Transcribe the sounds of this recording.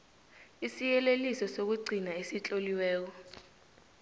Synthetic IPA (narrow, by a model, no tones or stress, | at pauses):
isijɛlelisɔsok̬uɡ͡ǀʱinaesit͡ɬʼoliwɛːk̬ɔ